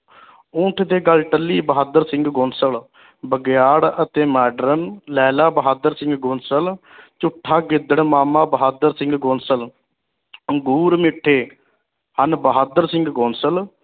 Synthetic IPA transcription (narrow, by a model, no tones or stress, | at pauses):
ũːʈʰd̪eːɡəlʈəlːiːbəɦaːd̪əɾsɪ̃ŋɡɡoːnsəl | bəɡɪjaːɽət̪eːmɛːɖɾənlɛːlaːbəɦaːd̪əɾsɪ̃ŋɡɡõːnsəl | t͡ʃʊʈʰːaːɡɪd̪əɽmaːmaːbəɦaːd̪əɾsɪ̃ŋɡkõːnsəl | əŋɡuːɾmɪʈʰːeː | hənbəɦaːd̪əɾsɪ̃ŋɡkoːnsəl